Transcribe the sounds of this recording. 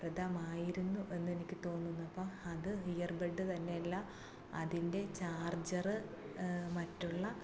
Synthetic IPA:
prɐd̪ɐmaːjiɾunːuʔe̞nːe̞nikʲːɨt̪o̞ːnːunːuɐpːoːɐðɨɦijɐrbeɖːɨt̪ɐnːe̞jɐlːɐ | ɐ̰ðinde̞t͡ɕaːrd͡ʑɐrɨ | mɐtːuɭːɐ

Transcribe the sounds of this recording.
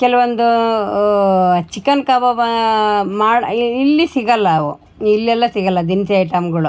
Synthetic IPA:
kɛlɐʋɐnd̪u | t͡ʃikːɐnkaːbɐb | maːɽilːisiɡɐlːɐːʋu | ilːɛlːɐsiɡɐlːɐd̪insɐjʈɐmɡɐɭu

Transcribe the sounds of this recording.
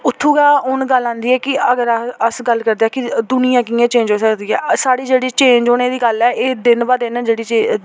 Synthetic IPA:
ʊt̪ʰːuːɡaːʊnɡəlːãːnd̪iːɛːkɪəɡəɾəsɡəlːkəɾd̪eaɛːkɪd̪ʊnɪjãːkĩːãːt͡ʃẽːɲd͡ʒɦoːsəkd̪iːɛːsaːɽiːd͡ʒeːɽiːt͡ʃẽːɲd͡ʒɦoːnẽːd̪iːɡəlɛːʔeːd̪ɪnbaːd̪enãd͡ʒeːɽiːt͡ʃeː

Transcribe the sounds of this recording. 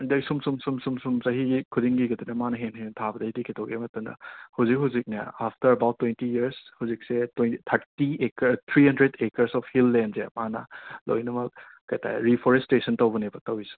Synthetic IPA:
dɐsumsumsumsumsumzɐɦikʰudiŋɡiɡɐdinɐmanɐɦenɦentʰabɐdɐidikʰitʰɔwɡemɐtɐmdɐ̰hawzik̚ɦawzik̚nɐ̰aptɐɾɐbawtːwentijiɐɾshawzik̚setnt̪ʰɐɾtiekt̪ʰɾihɐndɾedekɐɾsɔpʰhilːenzemanɐ̰lo̰jnɐmɐk̚ | kajtʰa̰ɾipʰɔɾestesɐntɐwbɐnebɐtɐwisi̥

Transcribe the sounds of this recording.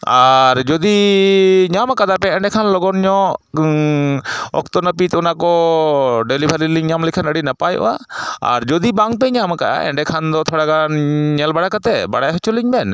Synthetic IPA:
aɾd͡ʒɔd̪i | ɲamkad̪apɛɛɳɖɛkʰanlɔɡɔnɲɔ | ɔ̰kt̪ɔnəpit̪ɔnakɔ | ɖelibʱaɾiliŋɲamlikʰanəɽinapajʔɔ̰ʔaa̰ɾd͡ʒɔd̪ibaŋpɛɲamakaʔa̰ɛ̰ɳɖɛkʰand̪ɔt̪ʰɔɽaɡanɲɛlbaɽakat̪ɛbaɽajɦɔt͡ʃuliɲbɛn

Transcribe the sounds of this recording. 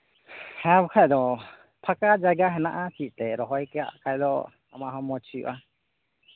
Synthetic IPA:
hɛabɔkʰajd̪ɔ | pʰakad͡ʒaɡaɦɛnaʔat͡ʃiʔt̪ɛɾɔɦɔjkɛja̰ʔkʰajd̪ɔ | amaʔɦɔmɔt͡ʃʰiʔa

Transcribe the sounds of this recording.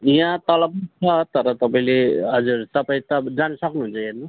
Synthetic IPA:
jãt̪ʌlʌbʌt͡sʰʌt̪ʌɾʌt̪ʌpaĩleɦʌd͡zurt̪ʌpaĩt̪ʌd͡zanisʌknuɦunt͡sʰʌenu

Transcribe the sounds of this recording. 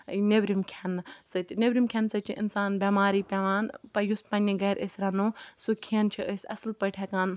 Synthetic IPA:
nebɾimkʰensɐt̪ʲnebɾimkʲʰɐnsɐt͡ʃʰḭʔḭnsaːnbemaːɾiːpʲɛʋaːnpɐjuspɐniɡɐːɾʔəsʲɾɐnusukʰiɐnt͡ʃʰiəsʲɐslpɐʈʰekaːn

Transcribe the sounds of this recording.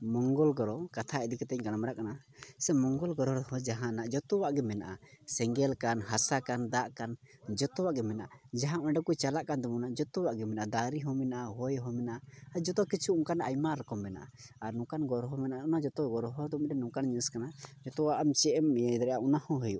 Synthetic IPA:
mɔŋɡɔlɡɔɾɔkat̪ʰaɛd̪ikɛt̪ɛɲɡanmaɾaʔkana | sɛmɔŋɡɔlɡɔɾɔɾhɔ̃d͡ʒaɦãnaʔd͡ʒɔt̪ɔwaʔɡɛmɛnaʔasɛŋɡɛlkanɦasakand̪aʔkand͡ʒɔt̪ɔwaʔɡɛmɛnaʔad͡ʒaɦãʔmɛ̃ɖɔkujt͡ʃalaʔkand̪ɔmunaʔd͡ʒɔt̪ɔwaʔɡɛmɛnaʔad̪aɾiɦɔmɛnaʔaɦɔjɦɔmɛnaʔaad͡ʒɔt̪ɔkit͡ʃʰuuŋkanajmaɾɛkɔmːɛna̰ʔa | aɾnũkanɡɔɾɔɦɔmɛnaʔaunad͡ʒɔt̪ɔɡɔɾɔɦɔd̪ɔmɛɖɛnũkanɲəəskanad͡ʒɔt̪ɔwaʔamt͡ʃɛʔɛmd̪ɾɛʔaʔunahɔ̃ɦəjuʔ

